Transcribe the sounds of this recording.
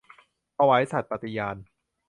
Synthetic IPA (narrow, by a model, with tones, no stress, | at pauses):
a˧wa˦˥jsa˨˩t̪̚pa˨˧t̪i˧jaː˧n